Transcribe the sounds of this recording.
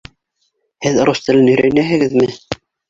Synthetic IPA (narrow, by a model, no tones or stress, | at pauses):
hɘðɾost̪ɘlɘnɵ̆jɾæjnæɦɘ̆ɣɘðmɘ